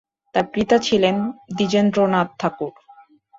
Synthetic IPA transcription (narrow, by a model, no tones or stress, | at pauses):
t̪aɾpɾit̪at͡ɕʰilend̪id͡ʑend̪ɾonat̪̚t̪ʰːakuɾ